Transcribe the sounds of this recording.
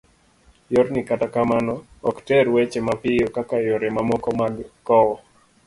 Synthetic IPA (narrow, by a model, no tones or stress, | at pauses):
joɾnɪkatakamanɔɔktɛɾwet͡ʃemapɪjokakajoɾemamɔkɔmaɡkɔwɔ